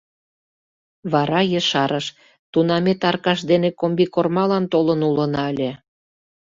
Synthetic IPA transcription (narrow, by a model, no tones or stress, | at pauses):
βɑɾɑjəʃɑɾəʃ | t̪unɑmet̪ɑrkɑʃd̪enekombikormɑlɑnt̪olənulənɑəlʲe